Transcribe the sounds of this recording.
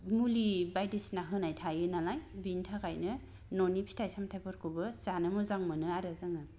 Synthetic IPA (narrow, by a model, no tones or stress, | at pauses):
mulibajdisnaɦɯnajtʰajɯnalajbintʰaɡajnɯ | nɔnipʰi̥tʰajsamtʰajpʰɯɾkʰubɯzanɯmɔzaŋmɯnɯaɾɯzaŋɯ